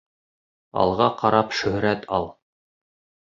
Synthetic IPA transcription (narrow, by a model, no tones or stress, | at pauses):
ɑ̰lˠʁɑqɑɾɑpʃɵ̆hɾæt̪ʰɑlˠ